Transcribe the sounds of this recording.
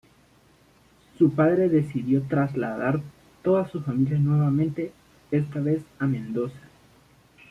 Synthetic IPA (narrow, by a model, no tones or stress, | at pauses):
supaðɾe̞ðe̞siðjo̞t̪ɾazla̰ðaɾ | t̪o̞ðasːusfamiljanwe̞βamẽnt̪e̞ | est̪aβe̞samẽ̞nd̪o̞sḁ